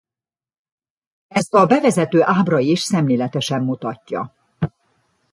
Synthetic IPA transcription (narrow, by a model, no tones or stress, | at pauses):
ɛst̪ɒbɛvɛzɛt̪øːʔaːbrɒiʃsɛmleːlɛt̪ɛʃɛmːut̪ɒcːɒ̰